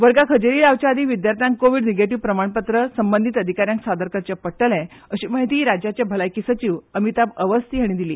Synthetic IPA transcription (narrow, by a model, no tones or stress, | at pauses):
ʋəɾɡakʰəd͡ʑeɾiːlaʋt͡ɕjaːd̪ʱiʋid̪jaɾt̪ʰjãŋkkoʋiɽneɡeʈiʋpɾəmaɳpət̪ɾəsəmbənd̪ʱit̪əd̪ʱikaɾjãŋksad̪əɾkət͡ɕjapəʈːəlɛ̃ | əɕiːməɦit̪iːɾad͡ʑjat͡ɕjabʱəlajkisət͡ɕiʋəmit̪abəʋəst̪iːɦəɽ̃id̪ilḭː